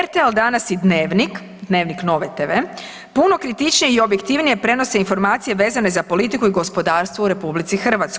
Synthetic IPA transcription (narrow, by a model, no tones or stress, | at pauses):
eɾt̪elˠd̪anasjid̪neːʋnik | d̪ne̞ːʋnikno̞ʋet̪eʋe | punokɾit̪it͡ʃnijeio̞bje̞kt̪iʋnije̞pɾe̞no̞se̞info̞ɾmaːt̪sije̞ʋe̞ːzane̞zapo̞lit̪ikuiɡo̞spo̞d̪aːɾst̪ʋouɾe̞publit̪sixr̩ʋat̪skoj